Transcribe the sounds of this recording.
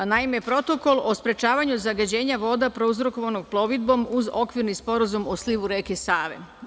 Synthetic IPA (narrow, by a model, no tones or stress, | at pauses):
naimepɾo̞t̪o̞ko̞lˠo̞spɾe̞t͡ʃaːʋaɲuzaɡad͡ʑe̞ːɲaʋo̞ːd̪apɾo̞uzɾo̞ko̞ʋano̞ɡ̚plˠo̞ʋid̪̚bo̞muzo̞kʋiɾnispo̞ɾazumo̞sliʋuɾe̞ːkesaːʋḛ